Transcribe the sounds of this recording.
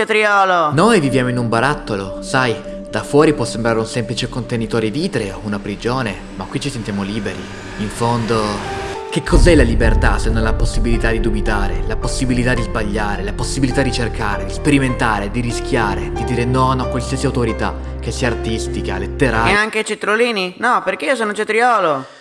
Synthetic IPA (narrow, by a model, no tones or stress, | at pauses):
t̪ɾiɔːlonojvivjaːmoinumbaɾat̪ːolosaj | d̪̥afwɔːɾipwɔsːembɾaːɾeunsɛmplit͡ʃekont̪enit̪ɔːɾid̪iːt̪ɾeounapɾid͡ʒoːne | makwit͡ʃːisent̪jamoliːbeɾi | iɱfond̪ok̟ekʰːɔzɛlalibert̪asenːonlaposːibilit̪ad̪id̪ubit̪aːɾelaposːibilit̪ad̪ːizbaʎːaːɾelaposːibilit̪ad̪it͡ʃerkʰaːɾed̪ispeɾiment̪aːɾed̪iɾisk̟ʰʲjaːɾed̪id̪iːɾenɔnakːwalsiːasiawt̪oɾit̪a̰ | k̟ːesːiaːrt̪ist̪ikalet̪ːeɾaaŋk̟et͡ʃet̪ɾoliːninɔperk̟eiːos̬ɔːnot͡ʃet̪ɾiɔːlo